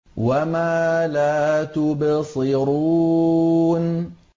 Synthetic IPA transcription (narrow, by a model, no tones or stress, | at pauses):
wamaːlaːt̪ʊbsˤɨɾu | n